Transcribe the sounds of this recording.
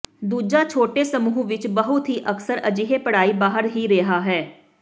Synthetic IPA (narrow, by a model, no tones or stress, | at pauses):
d̪uːd͡ʒaːt͡ʃʰoːʈeːsəmuːɦʋɪt͡ʃbəɦʊt̪ɦiːʔəksəɾəd͡ʒɪɦeːpəɽaːiːbaːɦəɾɦiːɾeɦaːɦɛː